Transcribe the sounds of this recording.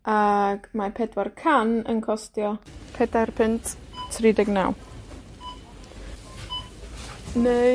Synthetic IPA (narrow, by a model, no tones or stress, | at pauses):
aɡ̥mapʰɛdwarkʰanə̰nkʰɔstjɔpʰɛdarpʰɪntʰtʰridɪɡna̰w | ne